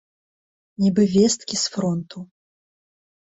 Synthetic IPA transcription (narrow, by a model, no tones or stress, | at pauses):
nʲibɨvʲɛst̪kʲisfɾɔnt̪u